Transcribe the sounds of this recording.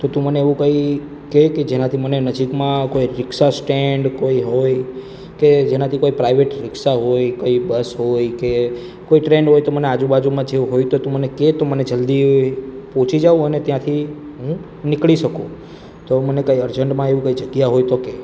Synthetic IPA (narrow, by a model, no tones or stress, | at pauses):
t̪ot̪ũməneeʋũkəi | keked͡ʒenãt̪ʰimənenəd͡ʒikmãkoiɾɪksasʈeɳɖkoiɦoj | ked͡ʒenat̪ʰikoipɾaiʋeʈɾɪksaɦojkoibəsɦojke | koiʈɾeɳɖɦojt̪omənead͡ʒũbad͡ʒumãd͡ʒeuɦojt̪ot̪ũməneket̪oməned͡ʒəld̪ipõt͡ʃid͡ʒaũənet̪jãt̪ʰi | ɦũ | nɪkɭiʃəkũ | t̪omənekaiəɾd͡ʒəɳʈmãeʋũkəid͡ʒəɡjaɦojt̪oke